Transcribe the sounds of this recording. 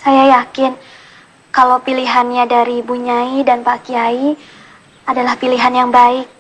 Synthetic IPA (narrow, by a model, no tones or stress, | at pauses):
sajajakɪn | kalawpiliɦanɲadaɾibuɲaidanpakiai | adalahpiliɦanjaŋbaɪk̚